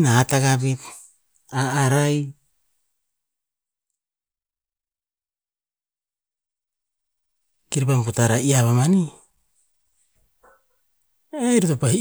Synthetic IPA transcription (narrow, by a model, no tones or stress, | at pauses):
naːtaɡabit | aːɾaj | kiɾipamputaɾaiaβamani | ejɾitopa